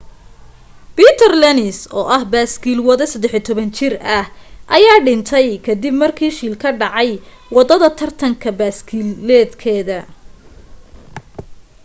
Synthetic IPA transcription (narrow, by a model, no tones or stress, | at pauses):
b̥iːt̪ʰɐrlɛnɪsɔ̰ːʔɐhbaːskiːlwɐðɛsɐd̪ɛħit̪ʰɔβɐnt͡ʃɪrɐhʔɐjaːɖɪnt̪ʰɛjkʰɐd̪ɪbmɐrkʰiːʃiːlkʰɐɖɑʕɑj | wɑd̪ɐðɐt̪ʰɐrt̪ʰɐŋkʰɐbaːskʰiːllɛːd̪kʰɛːðɐ